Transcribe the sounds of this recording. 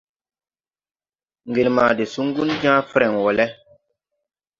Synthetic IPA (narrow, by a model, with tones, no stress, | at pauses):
ŋɡe˨lma˨de˨su˦ŋ˦ɡu˦nd͡ʒã˦fɾɛ˨ŋwɔ˨lɛ˦